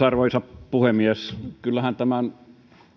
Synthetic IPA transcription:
ɑrʋoisɑppuhemieskylːæhænt̪æmæn

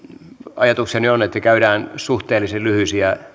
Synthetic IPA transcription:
ɑjɑt̪uksiɑnyonet̪ːækæyɾæːnsuht̪eːlːˑisellyhysiæ

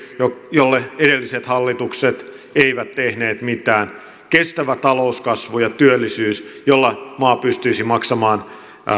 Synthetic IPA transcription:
jojolːeedelːiset̪hɑlːit̪ukset̪ | eiʋæt̪tehneːt̪mit̪æːn | kest̪æʋæt̪ɑlouskɑsʋujɑt̪yølːisyːsjolːɑmɑːpyst̪yisimɑksɑmɑːn

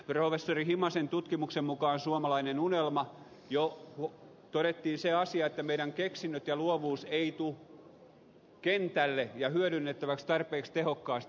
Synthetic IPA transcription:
profesːorihimɑsent̪ut̪kimuksemmukɑːnsuomɑlɑinenunelmɑ | joo | t̪oɾet̪ːiːnseɑsiɑet̪ːæmeiɾæŋkeksinːøt̪jɑluoʋuːseit̪u | kent̪ælːejɑhyøɾynːet̪ːæʋækst̪ɑrpeːkst̪ehokːɑːst̪

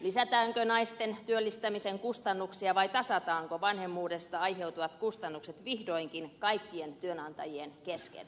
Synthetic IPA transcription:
lisæt̪æːŋkønɑist̪ent̪yølːist̪æmiseŋkust̪ɑnːuksiɑʋɑit̪ɑsɑt̪ɑːŋkoʋɑnhemːuːdest̪ɑɑiheut̪uʋɑt̪kust̪ɑnːukset̪ʋihdoiŋkinkɑikːient̪yønɑnt̪ɑjienkeskḛl

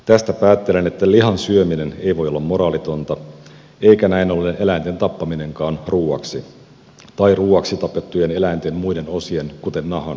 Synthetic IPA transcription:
t̪æst̪æpæːt̪ːe̞lene̞t̪ːæliɦɑnsyømine̞ne̞jʋo̞jolːɑmːmo̞ɾɑːlit̪o̞nt̪ɑ | e̞ikænæinolenʔelæint̪e̞nt̪ɑpːɑmine̞ŋkɑːnruːɑ̰ksi | t̪ɑiruːɑksit̪ɑpet̪ːujene̞læint̪emmujde̞no̞sienkut̪e̞nːɑɦɑn

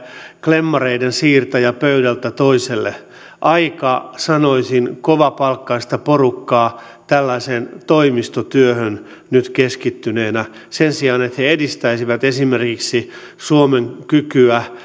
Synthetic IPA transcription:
klemːɑreidensiːrt̪ɑjɑpøydælt̪æt̪oiselːḛ | ʔɑikɑsɑnoisinkoʋɑpɑlkːɑist̪ɑporukːɑː | t̪ælːæisent̪oimist̪ot̪yøhøn | nyt̪keskit̪ːyneːnæ | sensiɑːnet̪heedist̪æisiʋæt̪esimerkiksi | suomeŋkykyæ

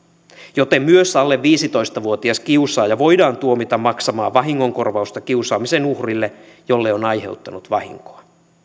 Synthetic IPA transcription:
jo̞t̪e̞mːmyøsɑlːe̞ʋʋiːsit̪o̞jst̪ɑʋuot̪iɑskiusɑːjɑʋo̞jdɑːnt̪uomit̪ɑmːɑksɑmɑːʋɑɦiŋːo̞ŋko̞rʋɑust̪ɑkiusɑːmise̞nuhrilːe | jo̞lːeo̞nɑjɦe̞wt̪ːɑnut̪ʋɑhḭŋkoɑ

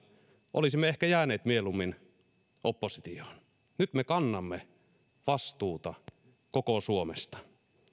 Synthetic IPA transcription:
ʔo̰lisimːeehkæjæːneːt̪mielumːin | ʔopːosit̪iohn | nyt̪mekɑnːɑmːe | ʋɑst̪uːt̪ɑ | kokosuomest̪ɑ̥

